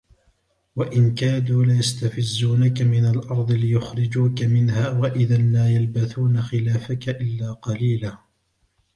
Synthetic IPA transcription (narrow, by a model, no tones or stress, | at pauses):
waʔɪnkaːd̪uːlɪjast̪afɪzːuːnakamɪnalʔɑɾˤd̪ˤɨlɪjʊxɾɪd͡ʒuːkamɪnhaːwaʔɪðanlaːjalbaθuːnaxɪlaːfakaʔɪlːaːqɑliːlaː